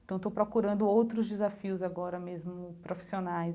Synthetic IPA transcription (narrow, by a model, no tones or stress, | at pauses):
t̪ɐ̃t̪owpɾokuɾɐ̃nd̪ʊowt̪ɾʊzd͡ʒɪzafiʊzaɡɔɾɐmezmʊpɾofi̥sionaj